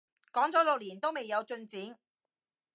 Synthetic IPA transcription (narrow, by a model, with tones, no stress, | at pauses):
kɔː˨˥ŋt͡sɔː˨˥lʊ˨k̚liː˨˩nt̪o˥wme˨jːɐ˨˧wt͡ʃɵ˧nt͡siː˨˥n